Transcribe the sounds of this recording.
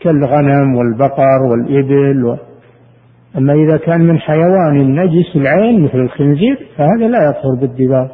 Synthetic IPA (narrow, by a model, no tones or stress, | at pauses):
kɪlːɣanamwɪlbɑqɑɾˤwɪlʔɪbɪlwɪ | ʔamːaʔɪðakaːnmɪnħajawaːnɪnːad͡ʒɪsɪlʕeːnmɪθlɪlxɪnziːɾfahaːðalajɑðˤhʊɾbɪd̪ːɪbaːɾ